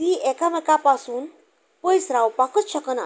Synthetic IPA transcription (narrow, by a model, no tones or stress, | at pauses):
liʔɛkaməkapasuːn | pəjsɾawpakət̪ɕəkəna